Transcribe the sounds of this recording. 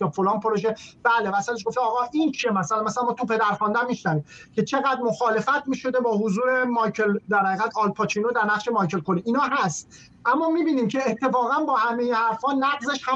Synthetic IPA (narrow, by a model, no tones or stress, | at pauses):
jɒːfolɒːnpʰoɾoʒeb̥æːlemæsæleʃɡo̞ft̪eɒːɣɒːʔint͡ʃʰiemæsælænmæsælænmɔːt̪ʰupe̞d̪æɾxɒnd̪æmmːiʃnæviːmcʰe̞t͡ʃʰe̞ɣæd̪mo̞xɒːle̞fæt̪ʰmiːʃo̞d̪e̞bɒːɦozuːɾe̞mɒːjcʰeld̪æɾhæɣiːɣæt̪ʰɒːlpʰɒt͡ʃʰinod̪æɾnæχʃe̞mɒːjcʰe̞lkoliʔiːnɒːɦæst̪̚ | ʔæmːɒːmiːbiːniːmcʰe̞ːt̪ʰːe̞fɒːɣænbɒːhæmejehæɾfhɒːnæɣze̞ʃhæ